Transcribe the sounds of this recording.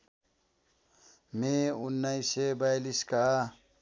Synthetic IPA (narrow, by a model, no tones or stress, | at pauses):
meʊnːaisebajliska